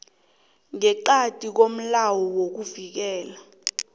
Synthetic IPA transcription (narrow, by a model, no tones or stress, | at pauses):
ŋɛǃatʼik̬om̩lawɔwok̬uvik̬ɛːla